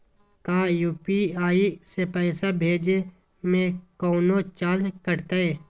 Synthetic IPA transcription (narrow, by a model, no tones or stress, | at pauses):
kaːjuːpiaːisepɛːsabʱeːd͡ʒe | mẽkɔːnot͡ʃaːd͡ʒkəɾt̪aeː